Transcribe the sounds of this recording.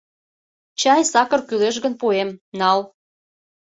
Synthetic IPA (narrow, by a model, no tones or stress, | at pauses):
t͡ɕɑjsɑkɤrkyleʃɣənpuemnɑl